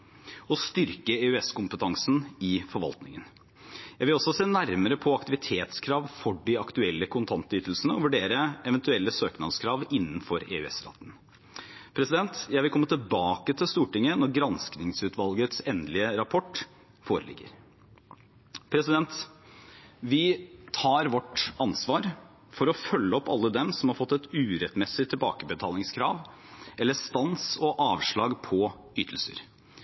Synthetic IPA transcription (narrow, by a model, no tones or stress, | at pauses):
ɔst̪ʏɾkəeːʉɛskʊmpət̪ʰɑŋsn̩ɪfɔɾʋɑ̰lt̪nɪŋən | jæɪʋɪlɔsɔseːnæɾməɾəpʰɔɑkt̪ɪʋɪt̪ʰeːt̪skʰɾɑːʋfɔɖɪɑkt̪ʉɛlːəkʰʊnt̪ʰɑnt̪yːt̪lsənəɔʋʉɖeːɾəɛʋɛnt̪ʉɛlːəsøːknɑnskʰɾɑːʋɪnːənfɔɾḛːʉ̰ɛ̰sɾɑ̰ːt̪ən̩ | pʰɾɛsɪd̪ɛnt̪jæɪʋɪlkɔmːət̪ʰɪlbɑːkət̪ʰɪlst̪uːʈɪŋːənɔɾɡɾɑnsknɪŋsʉːt̪ʰʋɑlɡət̪sɛnd̪lɪəɾɑpʰɔʈː | foːɾəlɪ̰ɡːə̰ɾ | pʰɾɛsɪd̪ɛnt̪ | ʋɪt̪ʰɑːɾʋɔʈːɑnsʋɑːɾ | fɔɾɔfœlːəɔpːɑ̰lːəd̪ɛmsɔmhɑɾfɔt̪ːɛt̪ʉːɾɛt̪mɛsɪt̪ʰɪlbɑ̰ːkəbət̪ʰɑːlɪŋskʰɾɑ̰ːʋ | ʔɛlːəst̪ɑnsɔʔɑːʋʂɭɑːɡpʰɔ | yːt̪ʰl̩sə̰ɾ